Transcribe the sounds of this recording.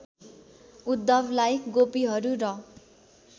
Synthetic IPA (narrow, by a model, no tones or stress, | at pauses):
ud̪ːʌbʱlajɡopiɦʌɾuɾʌ